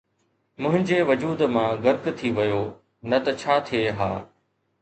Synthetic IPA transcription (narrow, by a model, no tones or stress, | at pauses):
mʊ̃ɦɪ̃ɲd͡ʑeːʋɐd͡ʑuːd̪mãɡɐɾkt̪ʰiʋɐjo | nɐt̪ɐt͡ɕʰaːt̪ʰijeɦa̰ː